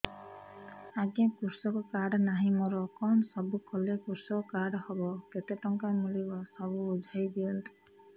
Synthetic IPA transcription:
aɡakuɾsɔkɔkaɽnaɦĩmɔɾɔkɔnɔsɔbukʰɔlekuɾsɔkɔkaɽhɔbɔket̪eʈɔŋkamulibasɔβuːd͡ʒʱajd̪iɔnt̪i̥

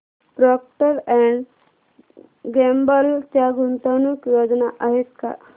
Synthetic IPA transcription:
bɾɔk̚ʈəɾɛɳɖ | ɡembəlt̪jaɡunt̪anuːkjod͡znaʔaɦet̪ka̰

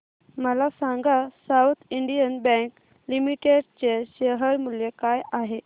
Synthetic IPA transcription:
məlasaŋɡasawt̪ʰiɳɖijənbɛ̃ŋk | limiʈeɖt͡ɕeɕəɦəɾmuljekajaɦe

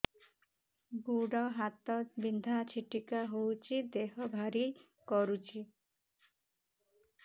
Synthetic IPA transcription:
ɡuɽɔɦat̪ɔbind̪ʱat͡ʃʰiʈikaɦowt͡ʃʰid̪eɦɔbʱaɾi | kɔɾut͡ʃʰi

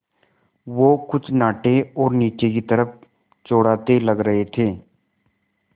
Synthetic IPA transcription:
ʋoːkʊt͡ʃʰnaːʈeɔːɾniːt͡ʃekit̪əɾəp̚ʰ | t͡ʃoːɽaːt̪eləɡɾəɦet̪ʰeː

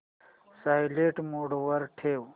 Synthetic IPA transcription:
saːjleːʈmoːɽwɐɾʈʰeːw

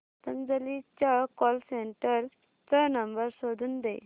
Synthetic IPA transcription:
t̪ənd͡zəlit͡ɕakɔlseɳʈəɾ | t͡sənəmbəɾsod̪ʱuːnd̪e

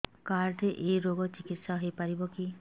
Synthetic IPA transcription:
kaɾɖeʔejɾoɡɔt͡ʃikit̪saɦejpaɾibɔki

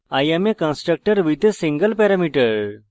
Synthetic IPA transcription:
ajemekãnsʈɾək̚ʈəɾʋit̪esiŋɡəlpɛɾamiʈəɾ

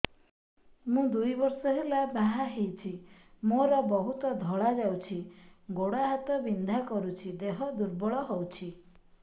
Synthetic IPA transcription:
mũd̪ujbɔɾsɔɦelabaɦaɦejt͡ʃʰimoɾɔbɔɦut̪ɔd̪ʱɔɭad͡ʒawt͡ʃʰiɡoɽaɦat̪ɔbind̪ʱakɔɾut͡ʃʰid̪eɦɔd̪uɾbɔɭɔɦɔwt͡ʃʰi

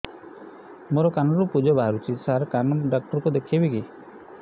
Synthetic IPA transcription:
moɾɔkanɔɾupud͡ʒɔbaɾut͡ʃʰisaɾkanɔɖak̚ʈɔɾkud̪ekʰebiki

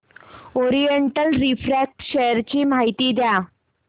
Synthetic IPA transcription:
oɾijeɳʈəlɾifɾæk̚ʈɕɛjəɾt͡ɕiːmaɦit̪iːd̪ja

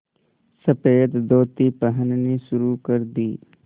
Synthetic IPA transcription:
səpeːd̪d̪oːt̪ipəɦənniʃʊɾukəɾd̪iː

